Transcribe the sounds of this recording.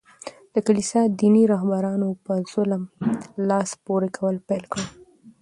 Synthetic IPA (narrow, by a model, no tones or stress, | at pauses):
d̪̥əkalisɑd̪iniɾɑɦbaɾɑnopəz̥ʊləmlɑspoɾekʰawəlpelkɽə